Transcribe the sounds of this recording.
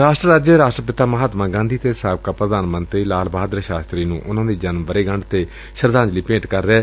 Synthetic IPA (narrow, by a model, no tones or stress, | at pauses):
ɾaːʃʈɾəɾaːd͡ʒəɾaːʃʈɾəpɪt̪aːməɦaːt̪mãːɡãːnd̪ʱiːt̪eːsaːb̚kaːpɾəd̪aːnmə̃nt̪ɾiːlaːlbaːd̪ɾəʃaːst̪ɾiːnũːʔʊnãːd̪iːd͡ʒənmʋəɾeːɡəɳɖt̪eː | ʃəɾd̪ãːnd͡ʒliːpẽːɳʈkəɾːɛː